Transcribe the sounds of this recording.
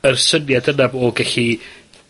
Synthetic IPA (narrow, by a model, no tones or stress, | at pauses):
ərsənjadənabɔɡɛɬi